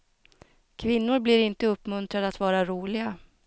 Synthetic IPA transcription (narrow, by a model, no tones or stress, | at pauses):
kʰvɪnːʊɾblɪɾɪnt̪əɵpːmɵnt̪ɾad̪əat̪vɑːɾaɾuːlɪɡa